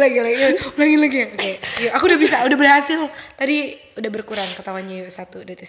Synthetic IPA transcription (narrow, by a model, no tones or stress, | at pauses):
laɡilaɡulaɡilaɡiakajuakuudahbis̬audahbərɦasɪlt̪adi | udahbərkuɾaŋkət̪awaɲajosat̪udat̪is